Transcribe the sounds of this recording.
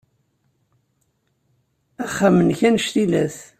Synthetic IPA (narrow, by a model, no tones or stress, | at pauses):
æχːamənçænʃt̪ilæθ